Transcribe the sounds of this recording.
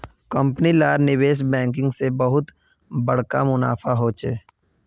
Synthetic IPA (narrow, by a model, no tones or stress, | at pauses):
kə̃mpnilaːɾnɪweːʃ̬bɛ̃ːŋk̬ɪ̃ŋɡsebəɦʊt̪ | bɐɽ̤ka̰mʊna̰ːfaɦot͡ʃḛː